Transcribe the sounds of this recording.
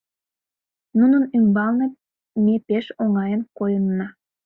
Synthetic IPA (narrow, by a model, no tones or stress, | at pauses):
nunənymbɑlne | mepeʃoŋɑjənkojənːɑ